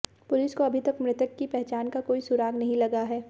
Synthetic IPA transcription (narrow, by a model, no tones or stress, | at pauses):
pʊlɪskoɐbʱit̪ɐkmɾɪt̪əkkipɛɦt͡ʃaːnkakoːisʊɾaːɡnɐɦĩlɐɡaɦɛː